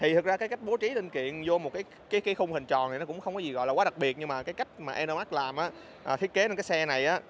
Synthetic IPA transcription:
t̪ʰi˨˩t̪ʰɨ˨˩k̚zaː˧kaː˨˦jka˦˥jk̟̚ɓo˨˦t͡ɕi˨˦lï˧ŋ̟kḭ˧˨ənzo˧mo˨˩t̚kaː˨˦j | kaː˨˦jka˨˦xʊ˧ŋ͡mhï˨˩ŋ̟t͡ɕɔ˨˩nʰ˨˩nɔ˨˦kʊ̰˧˥ŋ͡mxə˧wŋ͡mkɔ˨˦i˨˩ɣɔ̰˧˨jlaː˨kwaː˨˦ɗa˨˩ɓi˨˩ət̚ɲɨ˧ŋmaː˨˩kaː˨˦jka˦˥jk̟̚maː˨˩ʔɛ˧no˧ma˦˥k̚laː˨˩mʔaː˨˦ | ʔːt̪ʰi˦˥ət̚ke˨˦t͡ɕa˧nkaː˨˦jsɛ˧na˨˩jʔaː˨˦

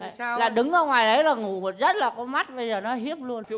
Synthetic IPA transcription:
laː˨˩ɗɨ˨˦ŋxə˧wŋ͡mŋwaː˨˩jɗə˨˦jlaː˨˩ŋu˨˩mo˨˩t̚zə˦˥t̚laː˨˩kɔ˨˦ma˦˥t̚ɓə˧jzəː˨˩nɔ˨˦ɦi˦˥əp̚lu˧ən

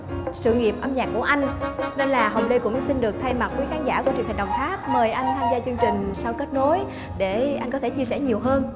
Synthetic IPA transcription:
sɨ̰˧˨ŋi˨˩əp̚ʔaː˧mɲaː˨˩k̚ːu˧˩əʔa˧jŋ̟ne˧nlaː˨˩ɦə˨˩wŋ͡mɗə˧jkʊ̰˧˥ŋ͡msi˧nɗɨ˨˩ək̚t̪ʰa˧jma˨˩t̚ku˨˦xaː˨˦nzaː˧˩kət͡ɕi˨nha̟˨˩ɗə˨˩wŋ͡mxaː˦˥p̚məː˨˩jʔa˧jŋt̪ʰaː˧mzaː˧t͡ɕɨ˧əŋt͡ɕï˨˩ŋ̟sa˧wke˦˥t̚no˨˦j | ɗe˧˩ʔa˧jŋkɔ˨˦t̪ʰe˧˩t͡ɕi˧əsɛ˧˩ɲi˨˩əwɦəː˧n

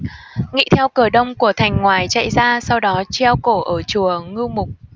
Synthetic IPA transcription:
ŋḭ˧˥t̪ʰɛ˧wkɨ˧˩əɗə˧wŋ͡mku˧˩ət̪ʰa˨˩jŋ̟ŋwaː˨˩jt͡ɕa̰˧˨jzaː˧sa˧wɗɔ˨˦t͡ɕɛ˧wko˧˩ʔəː˧˩t͡ɕu˨˩əŋɨ˧mʊ˨˩k͡p̚

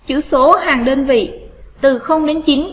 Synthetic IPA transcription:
t͡ɕɨ̰˧˥so˨˦haː˨˩ŋɗəː˧nvḭ˧˨t̪ɨ˨˩xə˧wŋ͡mɗe˨˦nt͡ɕi˨˦n

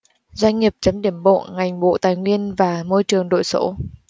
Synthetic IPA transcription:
zwa˧jŋ̟ŋi˨˩əp̚t͡ɕə˨˦mɗi˧˩əmɓo̰˧˨ŋa˨˩jŋ̟ɓo̰˧˨t̪aː˨˩jŋwi˧ənvaː˨˩mo˧jt͡ɕɨ˨˩əŋɗo̰˧˨jso̰˧˨˦

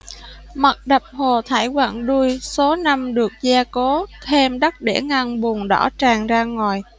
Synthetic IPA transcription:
ma˨˩k̚ɗə˨˩p̚ho˨˩t̪ʰaː˧˩jkwa̰ː˧˩˨ŋɗu˧əjso˨˦na˧mɗɨ˨˩ək̚zaː˧ko˨˦t̪ʰɛ˧mɗə˦˥t̚ɗḛ˧˩ŋa˧nɓu˨˩nɗɔ̰˧˩t͡ɕaː˨˩ŋzaː˧ŋaː˨˩j

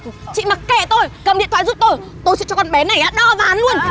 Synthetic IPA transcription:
t͡ɕḭ˧˨ma˨˩t̚kːɛ˧˩t̪o˧jkə˨˩mɗḭ˧˨t̪ʰwaː˧˨˧zu˦˥p̚t̪o˧j | t̪o˧jsɛ̰˧˥t͡ɕɔ˧˩kɔ˨˩nɓɛ˨˦na˨˩jʔaː˨˦ɗəː˧˩vaː˨˦nlu˧ən

